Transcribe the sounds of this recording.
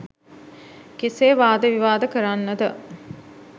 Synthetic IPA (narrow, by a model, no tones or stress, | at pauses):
keseːʋaːd̪əʋiʋaːd̪əkəɾanːəd̪ə